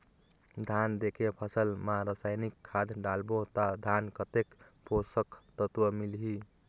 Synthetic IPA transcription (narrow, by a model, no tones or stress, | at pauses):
d̪ʱand̪ekepʰəsəlmaɾəsajnikʰːad̪ɖalbot̪ad̪ʱankət̪ekpʰosəkt̪ət̪wəmilɦi